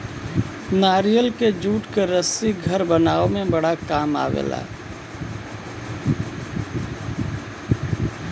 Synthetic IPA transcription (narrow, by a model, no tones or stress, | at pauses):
naːɾijəlked͡ʒuːʈkeɾəsiɡʱəɾbənaːomẽbəɽakaːma̰ːʋḛːla̰ː